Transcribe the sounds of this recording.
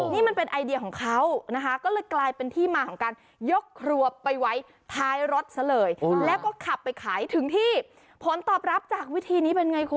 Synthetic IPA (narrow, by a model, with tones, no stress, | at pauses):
niː˥˩ma˧npe˧nʔa˧jdi˧ɐkʰɔː˩˦ŋkʰa˦˥wna˦˥kʰa˦˥kɔː˥˩lɤː˧jklaː˧jpe˧nt̪ʰiː˥˩maː˧kʰɔː˩˦ŋkaː˧n | jo˦˥kʰːɾu˨˩əpːa˧jwa˦˥j | t̪ʰaː˦˥jɾo˦˥t̪̚sʰa˧˦lɤː˨˩jlɛː˦˥wkɔː˥˩kʰa˨˩pːa˧jkʰaː˩˦jt̪ʰɯ˨˩˦ŋt̪ʰiː˥˩ | pʰo˩˦nt̪ɔː˨˩p̚ɾa˦˥p̚t͡ɕaː˨˩k̚wi˦˥t̪ʰiː˧niː˦˥pe˧nŋa˧jkʰu˧˦